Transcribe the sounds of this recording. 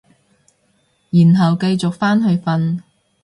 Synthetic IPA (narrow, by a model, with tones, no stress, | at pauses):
jiː˨˩nɦɐ˨wkɐ˧jt͡sʊ˨k̚faː˥nɦɵ˧ɥfɐ˧n